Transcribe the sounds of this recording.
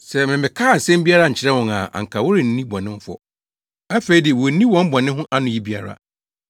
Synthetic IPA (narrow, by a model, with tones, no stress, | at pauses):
sɛ˨mɪ̃˨mɪ̃˨kʰaː˦˨n̩˨sɛ̃˦m˦bi˦a˦ɾa˦˨ɲ̩˨t͡ɕʰɪ˦ɾɛ˦wɔ̃˨ŋa̰˨ʔã̰˨ŋ̩˨kʰa˨wʊ˦ɾɪ˨n̩˨˦nĩ˦bɔ̃˨nɪ̃˦m˦fɔ̰˦˨ | a˦fe˨i˦dɪ˨wɔ˨n̩˦nĩ˦wɔ̃˨˦m̩˦bɔ̃˨nɪ̃˦ɦʊ̃˦ʔa˦nʊ̃˨˦ji˦bi˦a̰˨ɾa̰˨